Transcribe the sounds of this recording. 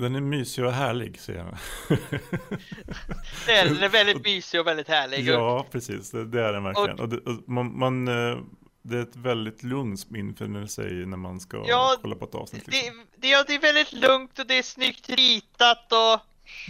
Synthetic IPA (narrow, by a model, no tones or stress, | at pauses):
d̪ɛnæɾmyːsɪɔɦæːɭɪ̰ɡsɛjːə̰ɾha̰n | ɛd̪ɛnæɾvɛld̪ɪt̪myːsɪɔvɛld̪ɪt̪hæːɭɪɡjɑːpʰɾɛsḭːsd̪ɛd̪ɛæɖɛnvæɾkɔlɪɡə̰nɔd̪ɛʔɔmanman | d̪ɛæɾɛt̪vɛld̪ɪt̪lɵŋt̪sɔmɪnːfø̰ːnəsɛ̰jnæɾmanska̰jɑːkɔlːa̰pʰɔɛt̪ɑ̰ːvsnɪ̰t̪lɪɛmd̪jɑd̪ɛːvɛld̪ɪt̪lɵŋt̪ɔd̪ɛæʂnʏkt̪ɾiːt̪at̪ɔ